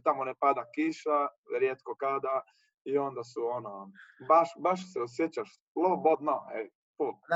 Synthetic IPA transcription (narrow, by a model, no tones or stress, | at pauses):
t̪amonepad̪akiʃa | ɾjet̪kokad̪a | io̞nd̪asuonobaʃbaʃsɛosjet͡ɕaʃ | lobod̪noḛ | pu